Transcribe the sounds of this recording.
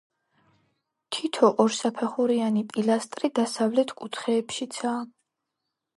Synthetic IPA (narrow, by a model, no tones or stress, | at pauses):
t̪ʰit̪ʰɔʔɔɾsapʰɛχuɾianipʼilast̪ʼɾid̪asavlɛt̪ʰkʼut̪ʰχɛːpʃit̪sʰaː